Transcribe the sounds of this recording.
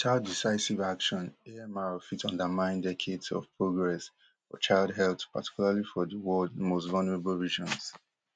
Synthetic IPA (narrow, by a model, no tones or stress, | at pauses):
tʰadisaɪsivakʃɔ̃nɛmaɹɔfitʌ̃ndəmãɪ̃ndɛkʰedsɔ̰v̥pʰɹoɡɹɛs | fɔ̰t͡ʃaɪlˠdɦɛlˠθpa̰tʰi̥kjulalifɔðəwɔldmostvalnəɹebəlɹiʒɔ̃ns